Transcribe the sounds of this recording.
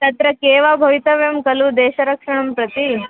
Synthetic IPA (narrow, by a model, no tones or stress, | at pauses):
t̪ɐt̪ɾɐkeːʋabʱɐʋit̪ɐʋjɐmkɐlud̪eːʃɐɾɐkʂɐɳ̃ɐmpɾɐt̪i